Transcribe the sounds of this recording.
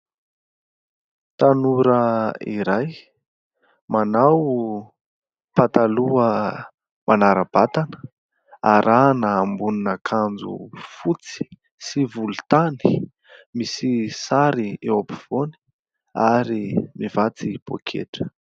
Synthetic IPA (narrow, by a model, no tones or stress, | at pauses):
t̪anuɾəiɾaj | manaw | pat̪aluə | mʔanaɾəb̥at̪anə̥ | aɾʔanəːmbuninəkʰand͡zṵfut͡si̥ | sivulut̪ani̥ | misisaɾiewapiv̥oni̥ | aɾimivat͡sib̥o̰kʰḛʈ͡ʂə̥